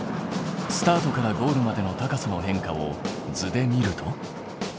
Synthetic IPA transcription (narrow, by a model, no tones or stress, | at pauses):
sɨ̥t̪aːt̪o̞kaɾaɡo̞ːɾɯ̟mad̪e̞no̞t̪akasɨno̞ɦẽ̞ŋkao̞̰d͡zɨd̪e̞mʲiɾɯ̟t̪ʰo̞